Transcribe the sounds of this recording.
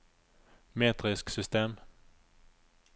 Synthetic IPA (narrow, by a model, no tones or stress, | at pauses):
meːt̪ɾɪsksʏst̪eːm